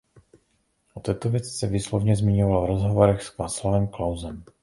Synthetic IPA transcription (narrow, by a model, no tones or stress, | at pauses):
ʔot̪ɛːt̪ovjɛt͡sɪ̥sɛviːslovɲɛzmɪɲovalvɾozɦovo̞ɾɛxskvaːslavɛmklawzɛm